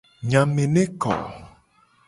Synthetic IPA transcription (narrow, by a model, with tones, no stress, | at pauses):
ɲa˨me˨ne˦kɔ̰˨